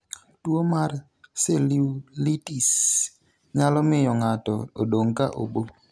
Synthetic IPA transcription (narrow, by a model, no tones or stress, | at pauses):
twomar | seliulitis | ɲalɔmɪjɔŋatɔodoŋkaʔo̰bo